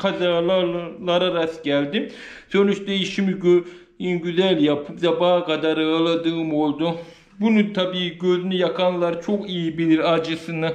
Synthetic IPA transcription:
kʰazalˠalˠaɾaɾasɟælʲd̪i | sønyt͡ʃd̪ɛjiʃimiɟø | inɟyzælʲjapʰɯpzabaːkʰad̪aɾɯlˠad̪ɯːmo̞lˠd̪u | bunut̪ʰabiːɟøzynyjakʰanlˠaɾt͡ʃʰo̞kijibilʲiɾad͡ʒɯsɯnɯ

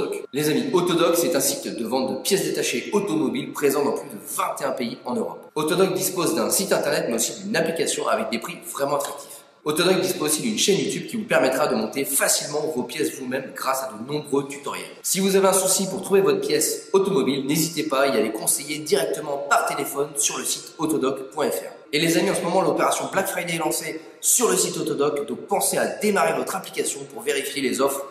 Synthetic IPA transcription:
ɔklezamiot̪ɔd̪ɔksɛt̪ɛ̃sit̪əd̪əvɑ̃t̪̚d̪əpjɛs̬d̪et̪aʃeot̪ɔmɔbilpχezɑ̃d̪ɑ̃plyd̪əvɛ̃t̪eɛ̃peiɑ̃nøʁɔ̰pot̪ɔd̪ɔk̚d̪ispozd̪ɛ̃sit̪ɛ̃t̪ɛʁnɛt̪mɛosid̪ynaplikʲasjɔ̃ʔa̰vɛk̚d̪epχivʁɛmɑ̃at̪χak̚t̪ʰi̥f | ot̪ɔd̪ɔk̚d̪isposid̪ynʃɛnjut̪yb̚kʲivupɛʁmɛt̪χad̪əmɔ̃t̪efasilmɑ̃vopjɛsvumɛmɡʁasad̪onɔ̃bʁøt̪y̥t̪ɔʁjɛ̰lsivuzaveɛ̃susipuʁt̪χuvevɔt̪χəpjɛsot̪ɔmɔbilnezit̪epailalekɔ̃sejed̪iʁɛk̚t̪əmɑ̃paʁt̪elefɔnsyʁləsit̪ot̪ɔd̪ɔkpwɛ̃ɛfɛ̰ʁ | elezamiɑ̃səmɔmɑ̃lopeʁasjɔ̃blakfχajd̪ɛlɑ̃se | syʁləsit̪ot̪ɔd̪ɔkd̪ɔ̃k̚pɑ̃sead̪emaʁevɔt̪χaplikʲasjɔ̃puʁveʁifjelezɔfχ

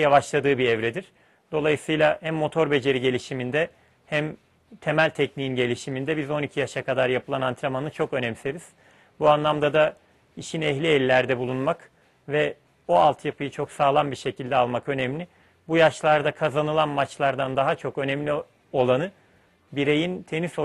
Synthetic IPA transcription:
javaʃlˠad̪ɯːbiɛvɾɛd̪iɾ̥ | d̪̥o̞lˠajɯsɯjlˠahæmːo̞t̪ʰo̞ɾbe̞d͡ʒe̞ɾiɟe̞lʲiʃimind̪ɛ | hæm | t̪ʰe̞mælʲt̪ʰɛcniːinɟe̞lʲiʃimind̪ɛbizo̞nicʰijaʃakad̪aɾjapʰɯlˠanant̪ʰɾamanɯt͡ʃʰo̞kø̞nɛmseɾiz̥ | buanlˠamd̪ad̪a | iʃinɛçlʲiɛlʲːæɾd̪ɛbulˠunmak | vɛ | oalˠt̪ʰjapʰɯjɯt͡ʃʰo̞ksaːlˠanbiɾʃe̞cʰilʲd̪ɛalˠmakø̞nɛmlʲɪ | bujaʃlˠaɾd̪akʰazanɯlˠanmat͡ʃlˠaɾd̪and̪aɦat͡ʃʰo̞kø̞nɛmlʲi | o̞lˠanɯ | biɾe̞jint̪ʰe̞niso

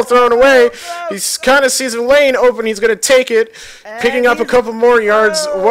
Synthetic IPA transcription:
lˠθɹõʊ̃ñəweɪhiz̥kʰãɪ̃ndɨsizə̃lẽɪ̃noʊpɨ̃nizɡʌnɨtʰeɪkɪt̚ | pʰɪkɪ̃ŋʌpəkʰʌpl̩ˠmɔɹjɑɹdzw

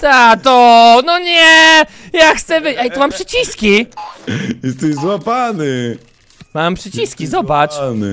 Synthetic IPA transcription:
t̪at̪ɔnɔɲɛ | jaxt̪sɛvɘɛjt̪ɔmampʂɘt͡ɕiskʲi | jɛst̪ɛzwapanɘ | mampʂɘt͡ɕiskʲizɔbat͡ʂnɨ̰

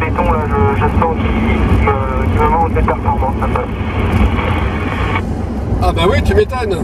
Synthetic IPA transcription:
et̪ɔ̃laʒəʒəsɑ̃kʲikimøkʲiməmɑ̃t̪mepɛʁfɔʁmɑ̃sɛ̃pœ | abawit̪ymet̪ɔn

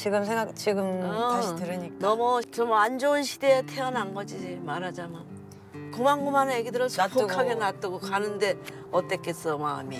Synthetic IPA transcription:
t͡ɕiɡɯmsʰeŋɡakt͡ɕiɡɯmaɕitɯɾɯɲiknʌmʌt͡ɕʌmand͡ʑoɯnɕʰide̞ːtʰeanaŋɡʌd͡ʑid͡ʑimaɾad͡ʑaman | komaŋɡumanajeɡidɯɾʌsʰtokʰaɡenat͈ɯɡokanɯnde̞ | ʌt͈e̞k͈e̞s͈ʌmaːmi

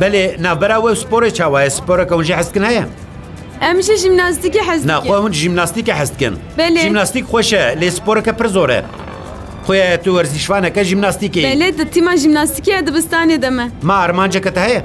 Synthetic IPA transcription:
bɛleːnaːvbɛɾaːwɛwsɨ̥poːɾeːt͡ʃʰaːwɑːjɛsɨ̥poːɾɛkɛhunʒiħɪst̪̚kɨnhɛjɛ | ɛmʒɛʒimnaːst̪iːkeħɐznaːxwɛhunʒimnaːst̪iːkeħɛst̪̚kɨ̰nbɛleʒimnaːst̪iːkxʷɛʃɛleːsɨ̥poːɾɛkɛpʰɨɾzoːɾɛ̰ | xʷʊjɑːjɛt̪uwɛɾziʃvɑːnɛkɛʒimnaːst̪iːkeːɛled̪ɨt̪ʰimɑːʒimnaːst̪ikejad̪ɨbɨst̪ɑːneːd̪ɛmɛmaːɾmaːnd͡ʒɛkɛt̪ɛhɛjɛ

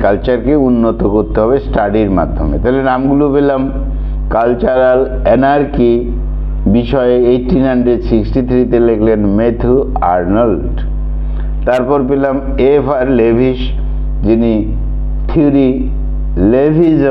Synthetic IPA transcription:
kalt͡ɕaɾkeunːot̪okoɾt̪eɦɔbesʈaɖiɾma̰d̪ʱːo̰mḛt̪aɦlenamɡulopelam | kalt͡ɕaɾal | enaɾki | biʃɔeejʈːinɦanɖɾeɖsiksʈit̪ʰɾit̪elekʰlenmet̪ʰuaɾnalɖ | t̪aɾpɔɾpelam | efʰaɾlebʱiʃ | d͡ʑini | t̪ʰiuɾi | lebʱiz

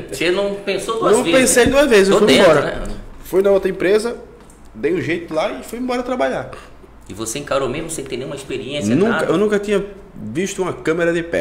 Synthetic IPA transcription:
senɐ̃w̃pẽsod̪uñw̃vipẽsejɐ̃d̪uɐzvezɪzewfujẽbɔɾɐnɛ̰fujnɐot̪ɾɐẽpɾezɐ | d̪ejʊʒejt̪ʊlaɪfujĩmbɔɾɐt̪ɾabaʎaɾ | ɪvoseĩkaɾomẽzmʊsẽt̪ẽnẽj̃ũɐispeɾiẽsɐnũkɐewnũkɐt̪ĩɲɐ | viʃt̪ʊũmɐkɐ̃meɾɐd̪ɪpɛ̰

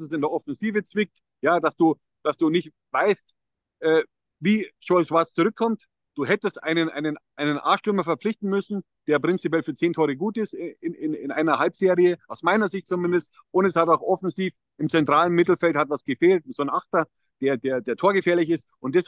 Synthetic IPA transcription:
sɛs̬ɪndeːɐʔɔfɛnziːvət͡sv̥ɪk̚t | jaːdasd̥uː | d̥asd̥uːnɪçt | vaɪst | ʔɛː | viːʃɔɪswast͡suʁʏkʰːɔmt | d̥uːɦɛtəstʔa̰ɪnənʔa̰ɪnənʔaɪnənʔa̰ːʃtʏɐmɐfɛɐp͡flɪçtn̩mʏsn̩ | d̥eːɐpʁ̥ɪnt͡sipjɛlfyːɐt͡seːntʰɔʏʁəɡuːtɪstɪɪnɪnɪ̰nʔa̰ɪnɐhalpz̥eːʁiəʔaʊsmaɪnɐzɪçtt͡sʊmɪndəst | ʔʊntɛshataʊxʔɔfɛnziːf | ɪmt͡sɛntʁ̥aːlənmɪtl̩fɛlthatvasɡ̥əfeːltz̥oːnʔaxtɐ | d̥eːɐdeːɐdeːɐtʰoːɐɡəfeːɐlɪçɪstʔʊntd̥ɛs

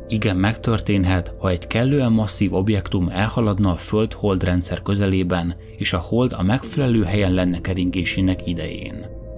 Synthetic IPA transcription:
iɡɛmːɛkt̪ø̞rt̪eːnɦɛt̪hɒɛɟkɛlːøːɛmːɒsːiːvo̞bjɛkt̪umɛlhɒlɒd̪nɒːfø̞lt̪ho̞ld̪rɛnt̪sɛrkø̞zɛleːbɛn | eːʃɒho̞ld̪ɒmɛkfɛlɛløːɦɛjɛnlɛnːɛkɛɾiŋɡeːʃeːnɛkid̪ɛ̰jḛːn

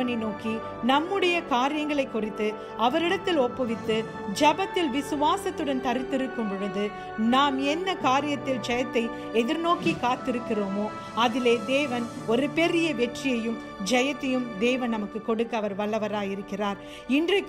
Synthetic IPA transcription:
ɐnɐɪnoːki | nɐmːɯɽɐjɐkaːɾɪjɐŋɡɐɭɐɪkːʊrɪt̪ːɯ | ɐʋɐɾɪɽɐt̪ːɪlɔpːɐʋɪt̪ːɯ | d͡ʒɐbɐt̪ːɪlʋɪsɯʋaːsɐt̪ːɯɽɐnt̪ɐɾɪt̪ːɪɾɯkːɯmbɯʋɐðɯ | naːmɛnːɐkaːɾɪjɐt̪ːɪld͡ʒɐjɐt̪ːɐɪ | ɛðɪɾnoːkikaːt̪ːɪɾɯkːɪroːmoː | ɐðɪleːd̪eːʋɐnɔɾɯpɛɾɪjɐʋɛʈrɪjɐjɯm | d͡ʒɐjɐt̪ːɐjɯmd̪eːʋɐnnɐmɐkːɯkːɔɽɯkːɐɐʋɐɾʋɐɭːɐʋɐɾaːjɪɾɯkːɪraːɾ | ɪndrɐkː

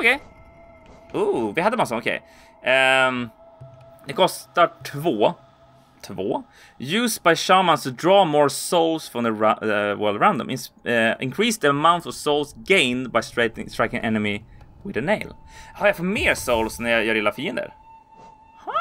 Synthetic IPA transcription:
ɔkʰɛɪ | uvɪhad̪əmasaɔkʰḛɪ | d̪ɛkʰɔst̪aʈʰvoː | t̪ʰvoː | jʉːs̚baɪʃaʊmanst̪ʰʊd̪ɾɑːmoːɹsoʊlsfɾɔ̃mðəəwɜ̰ːld̪ɹaʊnd̪ɔ̰̃mʔɪnsɪ̰̃nkʰɹiːsðəəmãʊnt̪ɔvsoʊlsɡẽɪnd̪bajstɹaɪtɪŋstɹaɪjkɪ̃ŋʔɛ̰nəmɪwɪðəneɪlhaɾjafɔmeːɾsoʊlsnæjjɑɾɪlafiːənd̪ə̰ɾ | h

